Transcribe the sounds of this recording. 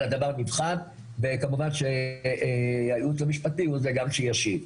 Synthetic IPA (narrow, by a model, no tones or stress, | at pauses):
lad̪avaʁnivχan | vekamuvanʃe | ajut͡slemiʃpatiuzeɡamʃejaʃiv